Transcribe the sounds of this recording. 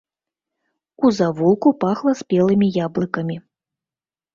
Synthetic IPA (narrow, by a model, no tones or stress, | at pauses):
uzavulˠkupaxlˠɐspʲɛlˠɨmʲijablˠɨkɐmʲi